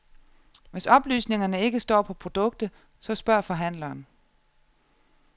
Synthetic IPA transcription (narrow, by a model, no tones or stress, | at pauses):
ʋe̝sɒ̽b̥ly̰ːsne̝ŋɐnəe̝ɡ̥əsd̥ɒ̰ːpʰɒ̽pʰʁo̝d̥ɔ̽ɡ̥̚d̥ð | sɒ̽sb̥ɶɐ̰fɒ̽ɦæn̰lɐːn